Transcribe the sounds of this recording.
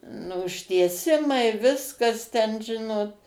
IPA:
nʊ ʊʃʲtʲiɛˈsʲɪmɐɪ ˈʋʲɪskɐs tʲɛn ˈʒʲɪnoːt

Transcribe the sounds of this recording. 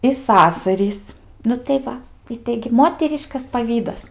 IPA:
ɪ ˈsɑːsɐrʲiːs nʊ tɐɪ ˈʋɐ ɪ ˈtɐɪɡʲɪ ˈmoːtʲɛrʲɪʃkɐs pɐˈʋʲiːdɐs

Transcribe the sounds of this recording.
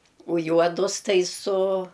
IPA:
ʊ ˈjuɔdʊs ˈtɐɪ sʊ

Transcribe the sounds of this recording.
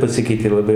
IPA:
pɐˈsʲɪkʲɛɪtʲeː lˠɐˈbɐɪ

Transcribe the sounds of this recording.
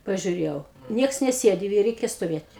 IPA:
pɐʒʲʊˈrʲeːjɛʊ ˈnʲiɛks nʲɛˈsʲeːdʲɪ ɪ ˈrʲɛɪkʲɛ stoːˈʋʲeːtʲ

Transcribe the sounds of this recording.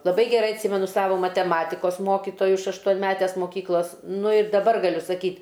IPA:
lˠɐˈbɐɪ ɡʲɛˈrɐɪ ɐtʲˈsʲiːmʲɛnʊ ˈsɑːʋoː mɐtʲɛˈmɑːtʲɪkoːs ˈmoːkʲɪtoːjʊ ɪʃ ɐʃtuɔnʲˈmʲæːtʲɛs moːˈkʲiːklˠɐs ˈnʊ ɪr dɐˈbɐr ɡɐˈlʲʊ sɐˈkʲiːtʲ

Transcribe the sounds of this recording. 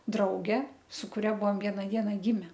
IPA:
ˈdrɐʊɡʲɛ sʊ kʊˈrʲɛ ˈbʊʋoːm ˈʋʲiɛnɐ ˈdʲiɛnɐ ˈɡʲɪmʲɛ

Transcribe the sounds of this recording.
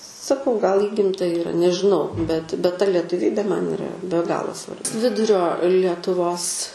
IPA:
sɐˈkɐʊ ɡɐlˠ ˈiːɡʲɪmtɐ iːˈrɐ nʲɛʒʲɪˈnɐʊ bʲɛt bʲɛt tɐ lʲɛtʊˈʋʲiːbʲeː mɐn iːˈrɐ bʲɛ ˈɡɑːlˠoː sʋɐr ˈʋʲɪdʊrʲoː lʲiɛtʊˈʋoːs

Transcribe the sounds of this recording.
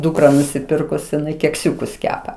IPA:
ˈduːkrɐ nʊsʲɪˈpʲɪrkʊs jɪˈnɐɪ kʲɛkˈsʲuːkʊs ˈkʲæːpɐ

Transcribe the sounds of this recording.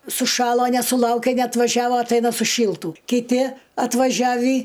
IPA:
sʊˈʃɑːlˠoː nʲɛsʊˈlˠɐʊkʲeː nʲɛɐtʋɐˈʒʲæːʋoː ɐtˈɐɪnɐ sʊˈʃʲiːlˠtuː kʲɪˈtʲɪ ɐtʋɐˈʒʲæːʋʲiː

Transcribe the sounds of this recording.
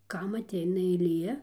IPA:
ˈkɐm ɐˈtʲɛɪnɐ ɛɪˈlʲiɛ

